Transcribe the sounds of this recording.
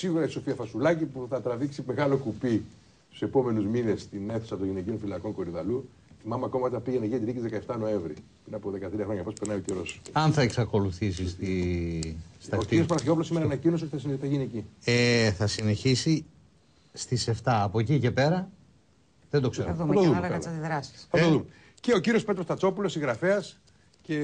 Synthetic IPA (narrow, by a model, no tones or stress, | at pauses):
siɣuɾɐiso̞fiɐfɐsulɐcipuθɐt̪ɾɐviksime̞ɣɐlo̞kupi | st̪u̥se̞po̞me̞nuzminest̪ine̞θu̥sɐt̪oʝinecionfilɐkoŋko̞ɾiðɐlu | θimɐmeɐko̞mɐt̪eɐpiʝeneʝiɐt̪iɾiceizðekɐeft̪ɐno̞eɱvɾi | pɾinɐpoðe̞kɐt̪ɾiɐxɾoɲɐpospeɾnɐioceɾo̞sɐnθɐeksɐko̞luθis̬isst̪i | st̪ɐoiios̬pɐɾɐsçeop̬ulosimeɾɐnɐcinos̬eoθɐs̬iniθɐʝinecieθɐsine̞çisi | st̪ise̞ft̪ɐːpo̞cice̞pe̞ɾɐ | ðend̪okseɾðuɐt̪oðumɐɐɐɐt̪iðɾɐsi̥sθɐt̪oðume | ceociɾiospe̞t̪ɾost̪ɐt͡so̞pulo̞siɣɾɐfeɐs | ce